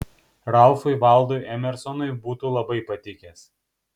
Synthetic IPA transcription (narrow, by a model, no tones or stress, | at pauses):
ɾɑʊfʊɪʋɐˑlˠd̪oɪʔɛmʲɛɾsɔnɔɪbuːt̪uːlˠɐbɐɪpɐt̪ʲɪkʲeːs